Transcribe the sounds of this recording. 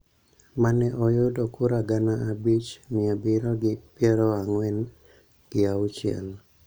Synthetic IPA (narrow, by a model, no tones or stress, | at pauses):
manɛʔɔjodɔkuɾaɡanaabit͡ʃmɪabɪɾɔɡɪpjɛɾɔaŋwɛn | ɡɪaʊt͡ʃɪɛ̰l